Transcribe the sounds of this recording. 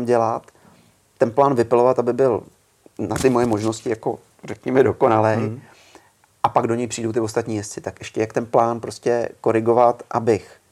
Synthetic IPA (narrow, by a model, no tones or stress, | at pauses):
mɟɛlat̪ː | ɛnplaːnvɪpɪlo̞vat̪ʔabɪbɪl | nat̪ɪmo̞jɛmo̞ʒno̞scɪjako̞ | rɛkɲɛmɛdo̞ko̞nalɛj | ʔapaɡdo̞ɲɛjpr̝iːdowt̪ɪvost̪at̪ɲiːjɛst͡sɪt̪akʔɛʃcɛjakt̪ɛnplaːnpɾo̞scɛko̞ɾɪɡo̞vat̪ʔabɪx